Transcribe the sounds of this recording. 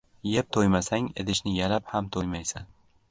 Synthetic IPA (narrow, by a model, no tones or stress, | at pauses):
je̞p̚t̪ʰojmasaŋed̪ɪʃnɪjalaphamt̪ʰojmajsan